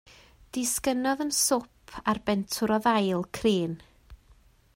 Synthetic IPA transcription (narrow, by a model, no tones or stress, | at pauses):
d̥ɪskənɔðənsʊpʰarbɛntʰʊɾɔðajlˠkʰriːn